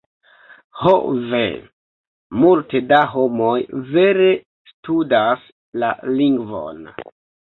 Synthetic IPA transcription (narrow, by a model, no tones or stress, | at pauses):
hovḛ | multedaɦo̞mo̞jve̞ɾe | studas | la̰liŋɡvo̰n